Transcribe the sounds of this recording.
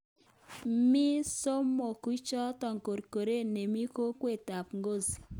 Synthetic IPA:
mɪ˦so˦mːɔ˨ku˦t͡ʃɔ˦tɔ˨ŋko˨ɾko˨ɾe˦ne˨mi˦ko˦kwe˦˨ta˨pŋɡo˦˨si̥˨

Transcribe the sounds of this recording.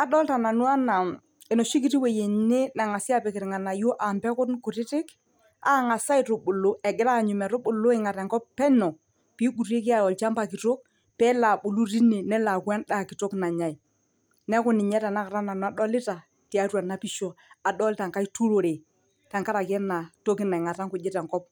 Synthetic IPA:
a˨ɗɔ˦lta˨na˨nu˦a˦na˨m | ɛ˨nɔ˨ʃi˦k̬i˦ti˦we˨je˨ne˦na˨ŋa˨sɪ˦a˦pɪ˨kɪ˨ɾɪ˨ŋa˨na˨jo˦ʔa˨mbɛ˦kʊ˦nkʊ˨tɪ˦tɪ˦k | a˦ŋa˨sa˦i˨to˨ɓʊ˨lo˦ɛ˨ɡɪ˦ɾa˦˨ɲʊ˨mɛ˨ɾʊ˦ɓʊ˨lo˦ɪ˨ŋa˨tɛ˨ŋkɔ˦pɛ˦nɔ˨ | pi˦ɡu˨ɾe˦k̬ɪ˦a˦˨ɔ˨lt͡ʃa˦mba˨ki˨to˦k̚ | pɛ˦la˨ɓʊ˨lu˦ɾi˦ne˨nɛ˦la˨kwɛ˦nɗa˦˨kɪ˨to˦kna˨ɲa˨i˨ | nɛ˦kʊ˦nɪ˨ɲɛ˦ta˨na˦ka˨ɾa˦na˨nɔ˨a˨˦ɗɔ˦lɪ˦ta˨ | ti˨a˦ɾwa˨na˨pi˦ʃo˨a˨ɗɔ˦lta˨ŋka˦i˦tu˦ɾo˨ɾe˨ | ta˨ŋka˦ɾa˨kɛ˦na˨to˦kɪ˦na˨ɪ˨ŋa˨ta˦ŋkʊ˨d͡ʒɪ˦tɛ˨ŋkɔ˦p̚

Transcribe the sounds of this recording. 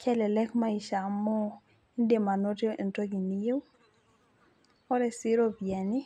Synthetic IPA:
kʰɛ˦lɛ˨lɛ˦kma˦i˨ʃa˨mɔ˦ | i˦nde˨ma˨no˦te˦ʔe˨nto˦ɡi˨ni˦je˦w | ɔ˦ɾɛ˨sɪ˦ɾo˦bjɛ˨ni˦

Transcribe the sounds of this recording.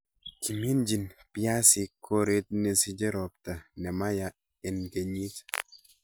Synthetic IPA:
kʰi˨mi˦nd͡ʒi˨npja˦sɪ˨kʰo˦ɾe˦t̪̚ne˨si˦d͡ʒɛ˦ɾɔ˨p̚t̪a˨nɛ˨ma˦ja˨ | ɛ˨nke˨ɲi˦t

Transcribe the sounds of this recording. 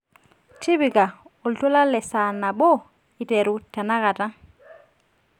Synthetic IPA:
ti˦bi˨ka˨o˨ltu˦la˦lɛ˨sa˨na˨bo˦ | i˨tɛ˨ɾu˦ta˨na˦ka˨ta˦

